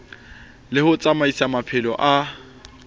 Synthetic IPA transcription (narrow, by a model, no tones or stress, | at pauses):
lɪhʊt͡sʼamaisamapʰɪlɔʔa